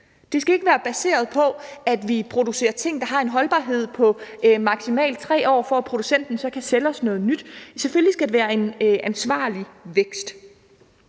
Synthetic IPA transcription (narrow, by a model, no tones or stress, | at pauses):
d̥e̝sɡ̥æe̝ɡ̥əʋæːɐb̥æse̝̰ːɐð̞̩ˠpʰɒ̽æd̥ʋipʰʁo̝d̥use̝̰ːɐt͡sʰe̝ŋ̰d̥ɑ̈ɦɑ̈e̝nɦɒ̽lb̥ɑ̰̈ːɦe̝ð̞̰ˠpʰɒ̽mɑ̈ɡ̥simɛ̰ːld̥̚t͡sʰʁɛ̰ːɒ̰ːfɒæpʰʁo̝d̥usen̰d̥n̩sɒ̽kʰæselɒ̽snɔ̽ːð̞̩ˠnyd̥sefølːisɡ̥æd̥e̝ʋæːɐe̝nʔænsʋɑ̰̈ːliʋeɡ̥sd̥